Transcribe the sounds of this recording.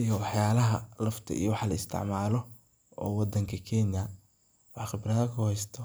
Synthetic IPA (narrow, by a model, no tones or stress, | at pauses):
ʔijɔwɑħjaːlɐɦɐ̰lɐft̪ʰɐ̰ḭjɔwɑħlɐɪst̪ʰɪ̰ʕmaːlɔ | ɔːwɑd̪ɐŋkʰɐkʰɛnjɐ | wɑħχɪbrɐðɐkʰʊhɛjst̪ʰɔ